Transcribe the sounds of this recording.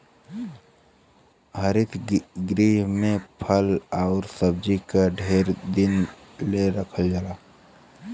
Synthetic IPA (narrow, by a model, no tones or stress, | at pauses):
ɦəɾɪt̪ʰɡɾiɦmẽpʰəlaːɾsəb̚d͡ʒikaɖʱeːɾd̪ɪn | leɾəkʰəld͡ʒaːlaː